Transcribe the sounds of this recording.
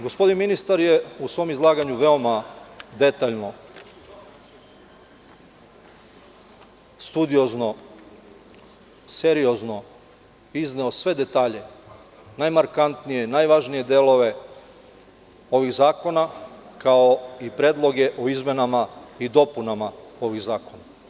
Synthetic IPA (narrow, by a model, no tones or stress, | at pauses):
ɡospo̞d̪inminist̪aɾjeusʋo̞mizlˠaːɡaɲuʋe̞o̞mad̪e̞t̪aʎno̞ | st̪ud̪io̞zno̞ | seɾijo̞zno̞ | izneosʋe̞d̪e̞t̪aːʎe̞ | najmaɾkant̪nije̞najʋaʒnije̞d̪elˠo̞ʋe̞ | o̞ʋiɣzaːko̞nakao̞ipɾeːd̪lˠo̞ɡe̞ʔoizme̞namaid̪o̞punamao̞ʋiɣzaːko̞na